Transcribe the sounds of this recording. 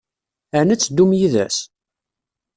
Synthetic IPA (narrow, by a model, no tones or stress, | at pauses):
ænət͡sːd̪ːumjiðæ̰s